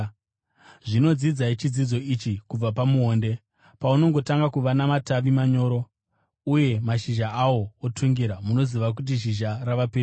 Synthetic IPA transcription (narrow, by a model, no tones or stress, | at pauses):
ʐino̞d͡zid͡zait͡ʃid͡zid͡zo̞it͡ʃikub͡vapamuɦoːnde̞ | pauno̞ŋɡo̞taŋɡakuʋanamataʋimaɲo̞ːɾo̞ | uje̞maʃiʒaʔawo̞otʰuŋɡiɾamuno̞ziʋak̬ut̬iʃ̬iʒaraʋaper